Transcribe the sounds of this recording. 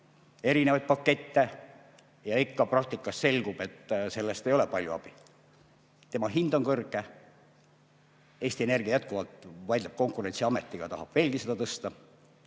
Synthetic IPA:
e̞ɾinevɑjd̪̥̚pɑkːe̞t̪ːe | jɑikːɑprɑk̚t̪ikːˑɑsse̞lʲɡ̥ub̥e̞t̪ːse̞lːest̪e̞jo̞le̞pɑlʲjuɑ̰b̥i | t̪emɑɦind̪̥o̞nkɤrɡ̥e | e̞ːst̪ie̞ne̞rɡ̥iɑjæt̪̚kuvɑlt̪vɑjd̪lɑp̚ko̞ŋkure̞nt̪siɑmet̪ːˑiɡ̥ɑt̪ɑhɑb̥ve̞ːlɡ̥ise̞d̪ɑt̪ɤst̪ɑ

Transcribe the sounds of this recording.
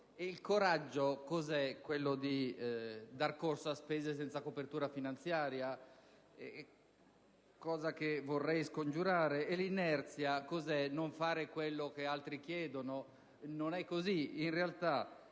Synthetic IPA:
eilkoɾad͡ʒːokozɛkwelːod̪i | d̪arkorsoaspeːzes̬ɛnt̪sakopert̪uːɾafinant̪sjaːɾja | ɛ | kɔːzakevorːɛjskond͡ʒuɾaːɾeːlinɛrt̪sjakozɛnoɱfaːɾekwelːok̟ealt̪ɾikjɛːd̪ono | nonɛkːoziinrealt̪a

